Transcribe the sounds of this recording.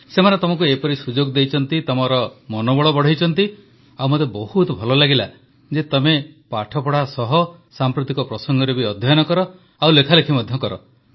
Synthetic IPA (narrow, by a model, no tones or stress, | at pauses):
semanet̪ɔmɔk̬uepɔɾisud͡ʒoɡd̪ejt͡ʃʰɔnt̪it̪ɔmɔɾɔmɔnɔbɔɭɔbɔɽ̤ejt͡ʃʰɔnt̪i | awmot̪ebɔhut̪ɔbʱɔlɔlaɡila | d͡ʒet̪ɔmepaʈʰɔpɔɽ̤asɔɦɔsampɾut̪ikɔpɾɔsɔŋɡɔɾebiɔd̪ʱjajɔnɔkɔɾɔ | awlekʰalekʰimɔd̪ʱjɔkɔɾɔ